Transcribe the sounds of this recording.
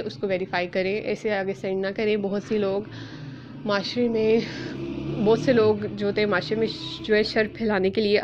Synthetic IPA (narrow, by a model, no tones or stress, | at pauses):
ʔʊskoʋeːɾɪfaːikɐɾẽːʔɛ̰ːseɐɡəɾsɛ̃ːɳɖnakɐɾẽbɔɦʊt̪siloːɡ | maːʃɾemẽ | bɔːt̪seloːɡd͡ʒoːt̪eɦɛ̃maːʃɾemẽd͡ʒoɛʃɐɾpʰɪːlaːnekelie